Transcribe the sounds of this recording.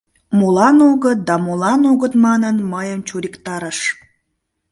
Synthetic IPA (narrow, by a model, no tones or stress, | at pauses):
mulɑnoɣət̪̚d̪ɑmulɑnoɣət̪mɑnənməjəmt͡ɕuɾikt̪ɑɾəʃ